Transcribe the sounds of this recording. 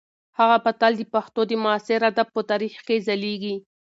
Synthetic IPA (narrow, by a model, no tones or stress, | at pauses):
haɣabat̪ɑld̪əpaxt̪od̪əmʊɑsɪɾad̪ab̚pət̪ɑɾixkezaleɡi